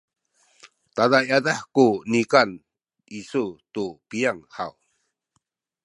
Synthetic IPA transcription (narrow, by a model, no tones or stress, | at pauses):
t̪adajadaħkunikan | isutupijaŋha̰w